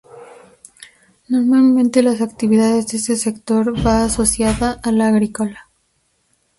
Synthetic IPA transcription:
no̞ɾmalmẽnt̪e̞lasakt̪iβiðaðe̞zðeest̪ese̞kt̪o̞ɾbaːso̞sjaðaʔːlaːɣɾiko̞la

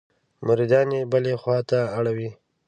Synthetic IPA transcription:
mʊɾid̪ɑnebəlexwɑt̪aːɽawi

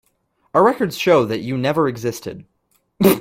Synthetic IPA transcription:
əɹɛkə˞dz̥ʃoʊðɨt͡ʃɨnɛvə˞ɨɡzɪstɨ̰d̥

